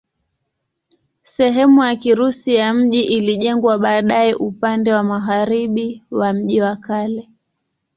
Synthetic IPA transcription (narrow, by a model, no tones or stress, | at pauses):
sɛɦɛmujakiɾusijam̩ʄiʔiliʄɛŋɡwaɓaːɗajɛʔupandɛwamaɣaɾiɓiwam̩ʄiwakalɛ